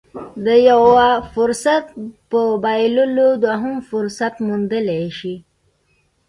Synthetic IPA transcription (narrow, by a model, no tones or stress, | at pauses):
d̪əjawafʊɾsat̪̚pəbajlulod̪waɦumfʊɾsat̪mund̪əleʃi